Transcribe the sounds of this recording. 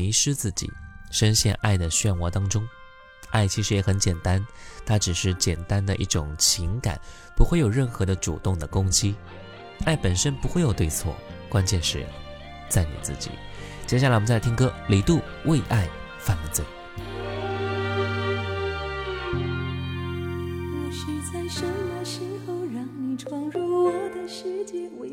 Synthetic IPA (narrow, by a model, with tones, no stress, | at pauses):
i˧˥ʂɻ̩˥t͡sɹ̩˥˩t͡ɕḭ˨˩˦ʂə˥nɕjɛ̰˥˧nʔa˥˩ɪd̪ə˩ɕɥɛ˥˧nwɔ˧˥t̪ɑ˥ŋʈ͡ʂʊ˥ŋ | a˥˩ɪt͡ɕʰi˧˥ʂɻ̩˧˥jɛ˨˩xə˧˥nt͡ɕjɛ˨˩nt̪a˥n | t̪ʰa˥ʈ͡ʂɻ̩˨˩ʂɻ̩˥˩t͡ɕjɛ˨˩nt̪a˥nd̪ə˨ʔi˥˩ʈ͡ʂʊ˨˩˦ŋt͡ɕʰi˧˥ŋka̰˨˩˦n | pu˧˥xwe˥˩ɪjo˨˩ʊɻə˥˩nxɤ˧˥d̪ə˧ʈ͡ʂṵ˨˩t̪ʊ˥˩ŋd̪ə˩kʊ˥ŋt͡ɕi˥ | a˥˩ɪpə˨˩nʂə˥npu˧˥xwe˥˩ɪjo˨˩ʊt̪we˥˧ɪt͡sʰwɔ̰˥˩kwa˥nt͡ɕjɛ˥˧nʂɻ̩˧˥˨ | t͡sa˥˩ɪnḭ˨˩t͡sɹ̩˥˩t͡ɕḭ˨˩˦ | t͡ɕjɛ˥˩ɕa˨˩l̩˧˥˩t͡st̪ʰi˥ŋ˥kɤ˥˧li˨˩t̪u˥˧ | we˥˧ɪʔa˥˩ɪ | fa˥˩nlə˨˩t͡swe˥˩ɪ | wɔ˧˩ɕi˧˩t͡sa˥˧ɪʂə˧˥wə˧˩ɕi˧˥nxo˧ʊɻɑ˧˥ŋni˨˩ʈ͡ʂʰwɑ˥ŋɻɔ˥˧˩ɔ˨˩d̪ə˧ɕi˥t͡ɕɛ˧